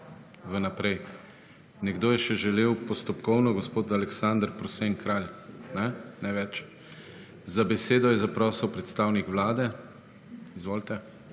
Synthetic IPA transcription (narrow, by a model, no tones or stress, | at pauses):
ʋənapɾɛj | nɛɡd̪oːjɛʃɛʒɛleːwpɔst̪ɔpkɔwnɔɡɔspoːt̪alɛksand̪əɾpɾɔseŋkɾalnɛnɛʋɛt͡ʃ | zabɛseːd̪ɔjɛzapɾɔːsəwpɾɛt̪st̪awnikʋlaːd̪ɛ | izʋoːlt̪ɛ